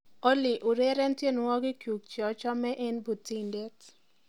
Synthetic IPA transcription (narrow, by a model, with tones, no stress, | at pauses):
o˦lɪ˨ʔʊ˨ɾe˦ɾɛ˦ntje˦˨n˨wɔ˦ɡɪ˦kju˨k̚t͡ʃɔ˨t͡ʃɔ˦mɛ˦ʔɛ˦nbu˨tːi˦˨nde˦t